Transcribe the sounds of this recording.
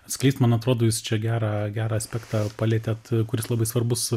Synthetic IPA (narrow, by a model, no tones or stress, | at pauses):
sklʲɛɪst̪mɐnɐt̪ɾoːd̪oːjɪst͡ʃʲɛɡʲæːɾɑːɡʲæːɾɑːɐsʲpʲæːkt̪ɑːpɑlʲeːt̪ʲet̪kʊɾʲɪslˠɑbɐɪsʋɐrbʊs